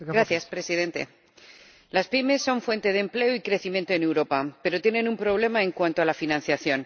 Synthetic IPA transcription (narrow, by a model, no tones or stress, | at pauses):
ɡɾaθθjaspɾe̞siðe̞nt̪e̞̰ | laspime̞sːo̞ɱfwe̞nt̪e̞ð̞emple̞oikɾe̞θimjẽ̞nt̪oene̞wɾo̞pape̞ɾo̞t̪jenẽ̞numpɾo̞β̞le̞maẽ̞ŋkwant̪oalafinãn̟θjaθjo̞n